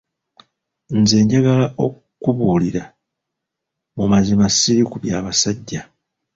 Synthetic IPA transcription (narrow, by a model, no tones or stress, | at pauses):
nze̞ːɲɟaɡalaʔo̞ | kuβuːliɾa | mumazimasiɾikuβjaːβasaɟːa